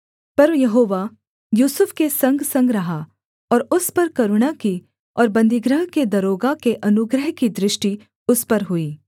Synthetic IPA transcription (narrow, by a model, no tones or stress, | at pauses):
pɐɾʋjɐɦoːʋa | juːsʊfkesɐ̃ŋɡsɐ̃ŋɡɾɐɦa | ɔːɾʊspɐɾkɐɾʊɽ̃aki | ɔːɾbɐ̃nd̪ɪɡɾəɦked̪ɐɾoːɡakeʔɐnʊɡɾəɦkid̪ɾɪʃʈi | ʊspɐɾɦʊiː